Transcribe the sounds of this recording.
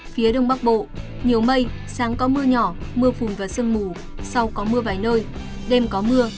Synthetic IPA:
fi˨˦əɗə˧wŋ͡mɓa˦˥k̚ɓo̰˧˨ | ɲi˨˩əwmə˧j | saː˨˦ŋkɔ˨˦mɨ˧əɲɔ˧˩mɨ˧əfu˨˩nvaː˨˩sə˧nmu˨˩ | sa˧wkɔ˨˦mɨ˧əvaː˨˩jnəː˧j | ɗɛ˧mkɔ˨˦mɨ˧ə

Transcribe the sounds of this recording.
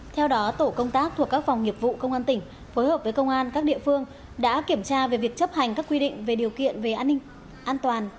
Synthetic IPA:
t̪ʰɛ˧wɗɔ˨˦t̪o˧˩kə˧wŋ͡mt̪aː˦˥k̚t̪ʰu˨˩əkːaː˦˥k̚fa˨˩wŋ͡mŋi˨˩əp̚vṵ˧˨kə˧wŋ͡mʔaː˧nt̪ï˧˩ŋ̟ | fo˨˦jhəː˨˩p̚və˨˦jkə˧wŋ͡mʔaː˧nkaː˦˥k̚ɗḭ˧˨əfɨ˧əŋ | ɗa̰ː˧˥ki˧˩əmt͡ɕaː˧ve˨˩vi˨˩ək̚t͡ɕə˦˥p̚ha˨˩jŋ̟kaː˦˥kːwi˧ɗḭ̈˧˨ŋ̟ve˨˩ɗi˨˩əwkḭ˧˨ənve˨˩ʔaː˧nːi˧ŋ̟ | ʔaː˧nt̪waː˨˩n

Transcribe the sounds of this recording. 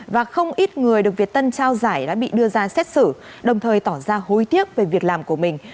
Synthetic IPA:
vaː˨˩xə˧wŋ͡mʔi˦˥t̚ŋɨ˨˩əjɗɨ˨˩k̚vi˨˩ət̚t̪ə˧nt͡ɕaː˧wzaː˧˩jɗa̰ː˧˥ɓḭ˧˨ɗɨ˧əzaː˧sɛ˦˥t̚sɨ˧˩ | ɗə˨˩wŋ͡mt̪ʰəː˨˩jt̪ɔ˧˩zaː˧ho˨˦jt̪i˦˥ək̚ve˨˩vi˨˩ək̚laː˨˩mku˧˩əmï˨˩ŋ̟

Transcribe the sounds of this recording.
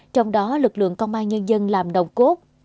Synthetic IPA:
t͡ɕɔ˧wŋ͡mɗɔ˨˦lɨ˨˩k̚lɨ̰˧˨əŋkə˧wŋ͡mʔaː˧nɲə˧nzə˧nlaː˨˩mɗə˨˩wŋ͡mku˦˥k̚

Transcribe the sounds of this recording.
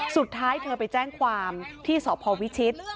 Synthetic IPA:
su˨˩t̪ʰːaː˦˥jt̪ʰɤː˧pa˧jt͡ɕɛː˥˩ŋkʰwaː˧mt̪ʰiː˥˩sɔː˩˦pʰɔː˧wi˦˥t͡ɕʰi˦˥t̪̚

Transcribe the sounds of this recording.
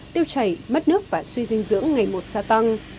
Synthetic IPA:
t̪i˧əwt͡ɕə˨˩jmə˦˥t̚nɨ˦˥ək̚vaː˨˩swi˧zï˧ŋ̟zɨ̰˧˥əŋːa˨˩jmo˨˩t̚saː˧t̪a˧ŋ

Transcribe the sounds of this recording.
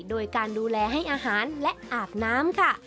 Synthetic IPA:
doː˧jkaː˧nduː˧lɛː˧ɦa˥˩jʔaː˧ɦaː˩˦nlɛ˦˥ʔʔaː˨˩p̚naː˦˥mkʰa˥˩

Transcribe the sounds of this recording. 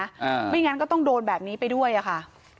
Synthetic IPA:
a˧ma˥˩˨ŋa˧˦˥nkɔː˥˩t̪ɔ˥˩ŋdoː˧nbɛː˨˩p̚niː˦˥pa˧jdu˥˩əjʔa˨˩kʰa˥˩ʔ

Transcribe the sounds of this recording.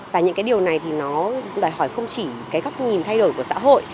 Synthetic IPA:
vaː˨˩ɲɨ̰˧˥ŋkaː˨˦jɗi˨˩əwna˨˩jt̪ʰi˨˩nɔ˨˦ɗɔː˨˩jɦɔ˧˩jxə˧wŋ͡mt͡ɕi˧˩kaː˨˦jɣɔ˦˥wk͡p̚ɲi˨˩nt̪ʰa˧jɗo˧˩jku˧˩əsa̰ː˧˥ɦo̰˧˨j

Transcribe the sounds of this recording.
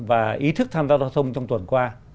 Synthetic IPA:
vaː˨˩ʔi˨˦t̪ʰɨ˦˥k̚t̪ʰaː˧mzaː˧zɔː˧˩t̪ʰə˧wŋ͡mt͡ɕɔ˧wŋ͡mt̪wə˨˩nkwaː˧

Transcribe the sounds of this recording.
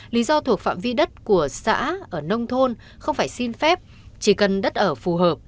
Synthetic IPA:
li˨˦zɔ˧t̪ʰu˨˩ək̚fa̰ː˧˨mvi˧ɗə˦˥t̚ku˧˩əsa̰ː˧˥ʔəː˧˩nə˧wŋ͡mt̪ʰo˧n | xə˧wŋ͡mfaː˧˩jsi˧nfɛ˦˥p̚ | t͡ɕi˧˩kə˨˩nɗə˦˥t̚ʔəː˧˩fu˨˩ɦəː˨˩p̚

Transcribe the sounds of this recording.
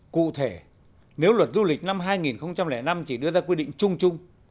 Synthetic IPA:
kṵ˧˨t̪ʰe˧˩ | ne˨˦wlwə˨˩t̚zu˧lï˨˩k̟̚na˧mɦaː˧jŋi˨˩nxə˧wŋ͡mt͡ɕa˧mlɛ˧˩na˧mt͡ɕi˧˩ɗɨ˧əzaː˧kwi˧ɗḭ̈˧˨ŋ̟t͡ɕʊ˧ŋ͡mt͡ɕʊ˧ŋ͡m

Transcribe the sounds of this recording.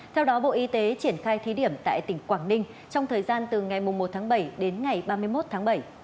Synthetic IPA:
t̪ʰɛ˧wɗɔ˨˦ɓo̰˧˨ʔi˨˧˦t̪e˨˦t͡ɕi˧˩ənxaː˧jt̪ʰi˨˦ɗi˧˩əmt̪a̰ː˧˨jt̪ï˧˩ŋ̟kwaː˧˩nnï˧ŋ̟ | t͡ɕɔ˧wŋ͡mt̪ʰəː˨˩jzaː˧nt̪ɨ˨˩ŋa˨˩jmʊ˨˩ŋ͡mmo˨˩t̚t̪ʰaː˨˦ŋɓə˧˩jɗe˨˦nŋa˨˩jɓaː˧mɨ˧əjmo˦˥t̚t̪ʰaː˨˦ŋɓə˧˩j

